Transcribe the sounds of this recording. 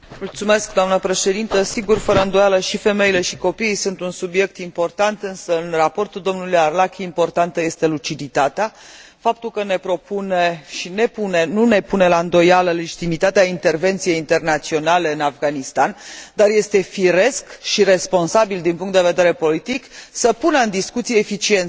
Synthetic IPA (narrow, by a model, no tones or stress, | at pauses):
mult̪sume̞skd̪oamnəpɾe̞ʃe̞d̪int̪əsiɡurfəɾəɨnd̪o̞jaləʃife̞me̞ile̞ʃiko̞pijsunt̪unsubje̞k̚t̪impo̞rt̪ant̪ɨnsəɨnrapo̞rt̪uld̪o̞mnuljarlakiimpo̞rt̪ant̪əje̞st̪e̞lut͡ʃid̪it̪at̪ea | fap̚t̪ulkəne̞pɾo̞puneʃine̞pune̞nune̞pune̞laɨnd̪o̞jaləle̞d͡ʒit̪imit̪at̪eaint̪e̞rve̞nt̪sije̞jint̪e̞rnat̪sio̞nale̞ɨnavɡanist̪and̪arje̞st̪e̞fiɾe̞skʃiɾe̞spo̞nsabild̪inpuŋkt̪d̪eved̪e̞ɾe̞po̞lit̪iksəpunəɨnd̪iskut̪sijeːfit͡ʃie̞nt̪